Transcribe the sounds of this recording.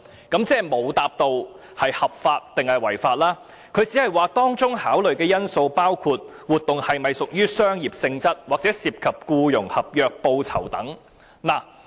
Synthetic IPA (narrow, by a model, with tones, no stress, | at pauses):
kɐ˨˥mt͡sɛː˥˩mo˨˧wt̪aː˨p̚t̪o˨˧w | hɐ˨jhɐ˨p̚faː˧t̚t̪ɪ˨ŋhɐ˨jwɐ˨˩jfaː˧t̚laː˥ | kʰɵ˨˧ɥt͡siː˨˥hɐ˨jwaː˨t̪ɔː˥ŋt͡sʊ˥ŋhaː˨˥wlɵ˨ɥkɛː˧jɐ˥nso˧wpaː˥wkʰuː˧t̚wuː˨t̚t̪ʊ˨ŋhɐ˨jmɐ˨jsʊ˨k̚jyː˥sœː˥ŋjiː˨p̚sɪ˧ŋt͡sɐ˥t̚waː˨k̚t͡sɛː˨˥siː˧p̚kʰɐ˨p̚kuː˧jʊ˨˩ŋhɐ˨p̚jœː˧k̚po˧wt͡sʰɐ̰˨˩wt̪ɐ˨˥ŋ | naː˨˩